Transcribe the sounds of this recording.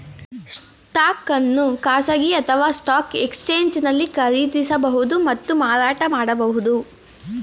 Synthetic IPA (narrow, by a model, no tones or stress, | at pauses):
s | ʈaːkɐnːukaːsɐɡiɐt̪ʰɐʋaːsʈaːke̞kst͡ʃeːɲd͡ʒnɐlːikɐɾit̪isɐbɐɦud̪umɐt̪ːumaːɾaːʈɐmaːɽɐbɐɦud̪u